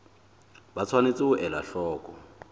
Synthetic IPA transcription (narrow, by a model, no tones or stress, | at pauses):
bat͡sʰwanet͡sʼɪʊʔɛla̰ɬɔːkʼɔ